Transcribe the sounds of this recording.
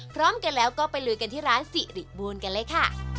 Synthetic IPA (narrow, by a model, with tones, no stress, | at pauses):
pʰɾɔː˦˥mka˧nlɛː˦˥wkɔː˥˩pa˧jlɯː˧jka˧nt̪ʰiː˥˩ɾaː˦˥nsi˨˩ɾi˨˩t̪̚buː˧ənka˧nlɤː˦˥jkʰa˥˩